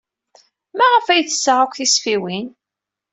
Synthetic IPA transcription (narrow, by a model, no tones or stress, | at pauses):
mæʁəfæjθəsːəʁækʷθisfiwin